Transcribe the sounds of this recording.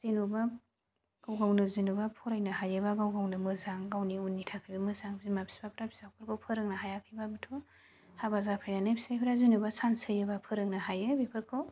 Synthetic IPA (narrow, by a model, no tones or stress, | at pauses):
z̥inuba | ɡ̥awɡawnɯzinubapʰɔɾajnahajɯbaɡawɡawnɯmɯzaŋɡawniunːitʰakʰɯjbamɯzaŋbʰizimapʰi̥sbapʰɾapʰi̥sak̚pʰɯɾkʰawpʰɯɾɯŋnaɦajakʰɯjbabɯtʰo | habazapʰajnanapʰi̥sajpʰiɾazinubasansɯjɯbapʰɯɾɯŋnahajɯbipʰɯɾkʰaw